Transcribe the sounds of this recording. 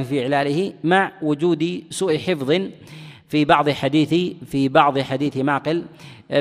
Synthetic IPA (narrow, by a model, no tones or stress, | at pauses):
fiʔɪʕlaːlɪhimaʕwʊd͡ʒuːd̪isuːʔħɪfðˤɨ | fibɑʕðˤħad̪iːθifibɑʕðˤħad̪iːθimaːqɪl